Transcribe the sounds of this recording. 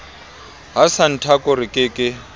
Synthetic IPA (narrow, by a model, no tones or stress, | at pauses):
ɦasan̩tʰakʼɔɾɪkʼɪkʼɪ